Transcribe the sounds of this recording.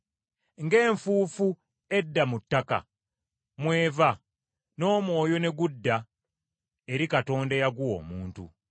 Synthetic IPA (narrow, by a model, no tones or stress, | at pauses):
ŋɡe̞ːɱfuːfu | e̞dːamutːaka̰ | mwe̞ːva | no̞ːmwo̞ːjo̞ne̞ɡudːa | e̞ɾikato̞ːndejaɡuwo̞̰ːmuːntṵ